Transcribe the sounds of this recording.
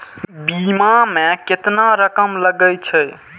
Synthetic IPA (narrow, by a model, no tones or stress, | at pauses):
bimameket̪naɾəkəmləɡəjt͡ʃʰɛj